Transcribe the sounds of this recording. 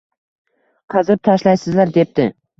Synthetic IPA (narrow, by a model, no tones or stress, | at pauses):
qʰɑzɪp̚t̪ʰaʃlajsɪzlaɾd̪ep̚t̪ɪ